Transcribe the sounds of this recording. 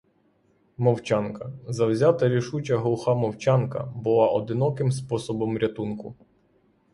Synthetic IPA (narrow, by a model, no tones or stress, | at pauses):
mɔwt͡ʃankɐzɐwzʲat̪ɐɾʲiʃut͡ʃʲɐɦlˠʊxɑmɔwt͡ʃɑnkɐ̰bʊlˠɑʔɔd̪ɪnɔkɪmspɔsɔbɔmɾʲɐt̪unkʊ